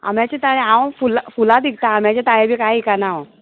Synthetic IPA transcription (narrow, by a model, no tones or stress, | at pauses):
a̰m̤jat͡ɕet̪aɽ̃ẽaw̃fulafulad̪ik̚t̪aam̤jat͡ɕet̪aɦebikaikanaõ